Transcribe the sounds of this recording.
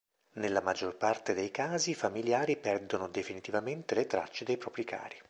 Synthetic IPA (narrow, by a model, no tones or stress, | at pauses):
nelːamad͡ʒːorpart̪ed̪ejkaːzifamiljaːɾipɛrd̪onod̪efinit̪ivament̪elet̪ɾa̰t͡ʃːed̪ejpɾɔːpɾikʰa̰ːɾi